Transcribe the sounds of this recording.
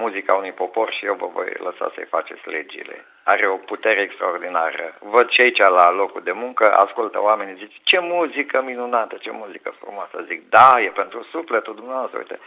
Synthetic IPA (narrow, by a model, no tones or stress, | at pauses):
muzikaunujpo̞po̞rʃijewvə̰vo̞̰jləsa̰sə̰jfat͡ʃet̪sʲle̞d͡ʒḭle̞̰ | aɾe̞o̞put̪eɾeːkst̪ɾaord̪inaɾə̰vəd̪ʃiait͡ʃalalo̞kud̪e̞muŋkəʔa̰skult̪ə̰wame̞nʲizit͡ʃʲt͡ʃe̞muzikəminunat̪ət͡ʃe̞muzikəfrṵmoasəzik̚d̪ajepe̞nt̪ɾusuflet̪uld̪umnevast̪ɾəṵjt̪ḛ